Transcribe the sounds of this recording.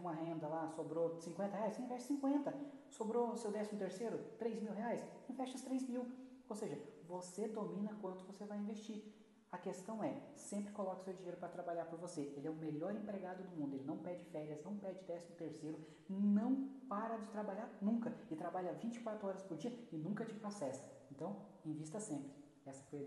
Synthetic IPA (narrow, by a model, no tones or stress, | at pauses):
ũmɐɦẽnd̪ɐlasobɾosĩŋkwẽnt̪ɐheajsĩvɛʃt͡ʃɪsĩŋkwẽnt̪ɐsobɾosewd̪ɛsimʊt̪eɾseɾʊt̪ɾejzmiwɦeajsĩvɛʃt͡ʃɐst̪ɾejzmiw | owseʒɐvosed̪omĩnɐkwɐ̃nt̪ʊvosevajĩvest͡ʃiɾ | ɐkest̪ɐ̃w̃ɛsẽmpɾɪkolɔkɐʊ̥sewd͡ʒiɲejɾʊpɾɐt̪ɾabaʎaɾpoɾvoseʔelɪɛʊmeʎɔɾẽpɾeɡad̪ʊd̪ʊmũnd̪ʊelɪnɐ̃w̃pɛd͡ʒɪfɛɾjɐznɐ̃w̃pɛd͡ʒɪd̪ɛsimʊt̪eɾsejɾʊ | nɐ̃w̃paɾɐd͡ʒɪt̪ɾabaʎaɾnũkɐɪt̪ɾabaʎɐvĩt͡ʃɪ̥kwat̪ɾʊɔɾɐspoɾd͡ʒiɐɪnũkɐt͡ʃɪpɾosɛst̪ɐ̥ẽnt̪ɐ̃w̃ẽvist̪ɐsẽmpɾɪ | ɛsɐfo